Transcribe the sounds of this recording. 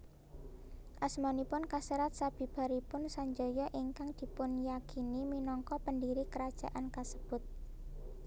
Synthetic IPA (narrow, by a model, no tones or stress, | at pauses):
ʔasmɔnipʊnkasəɾat̪̚sab̥i̤b̥a̤ɾipʊnsaɲd͡ʒɔjɔʔiŋkaŋd̪̥i̤pʊnjakiniminɔŋkɔpəndiɾikəɾad̥ʒ̥a̤̰ʔankasəb̥ʊt̪̚